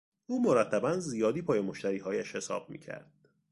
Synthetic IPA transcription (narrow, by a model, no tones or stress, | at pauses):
ʔuːmo̞ɾæt̪ʰːæbænzijɒːd̪iːpʰɒːjemoʃt̪æɾiːɦɒːjæʃhe̞sɒ̰ːb̥̚mḭːcʰæ̰ɾd̪̥̚